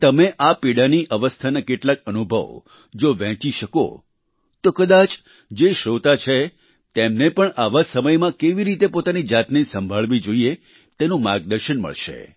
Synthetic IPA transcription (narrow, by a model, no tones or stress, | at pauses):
t̪əmeʔapiɽaniʔəʋəst̪ʰanakeʈlakənubʱə̰ʋ | d͡ʒoʋɛ̃t͡ʃiʃəko̰ | t̪okəd̪at͡ʃ | d͡ʒeʃot̪at͡ʃʰe | t̪emnepəɳʔaʋasəməjmãkeʋiɾit̪epot̪anid͡ʒat̪nisə̃mbʱaɭʋid͡ʒoie | t̪enũmaɡd̪əɾʃənmə̰ɭʃḛ